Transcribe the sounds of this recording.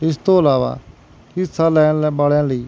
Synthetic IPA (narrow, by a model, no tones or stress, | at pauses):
ɪst̪oːəlaːʋa̰ | kɪsaːlɛ̃ːlbaːɭjãːləiː